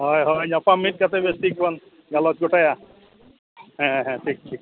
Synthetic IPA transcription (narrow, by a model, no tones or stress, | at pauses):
ɦɔjɦɔjnɔpamːiʈ̚kat̪ʰebestikbɔn | ɡalɔt̪̚ɡoʈaja | ɦɛ̃ɦɛ̃ʈʰik̚ʈʰi